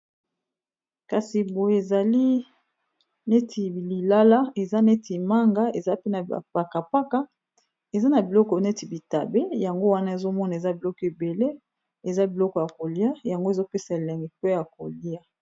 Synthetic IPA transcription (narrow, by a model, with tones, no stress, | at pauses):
ka˨si˨bo˨je˨za˨li˦ | ne˦tʰi˨li˨la˦la˦e˨za˦ne˦ti˨ma˦ŋɡa˦e˨za˦pe˦na̰˨pa˨ka˨pa˦ka˦ | e˨za˦na˨bi˨lɔ˦kɔ˨ne˦ti˨bi˨ta˨be˦ja˨ŋɡo˦wa˦na˦e˨zo˦mɔ˦na˨e˨za˦bi˨lɔ˦kɔ˨e˨be˨le˦ | e˨za˦bi˨lɔ˦kɔ˨ja˨ko˨li˦a˦˨ja˨ŋɡo˦e˨zo˦pe˦sa˨e˨lɛ˨ŋɡɛ˨pe˦ja˨ko˨li˦a˦